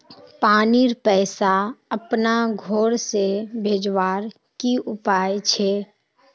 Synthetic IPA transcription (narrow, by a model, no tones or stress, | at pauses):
paːniɾpɛːsaɐpnaɡʱoːɾsebʱeːd͡ʒwaːɾ | kiʊpaːjt͡ʃʰeː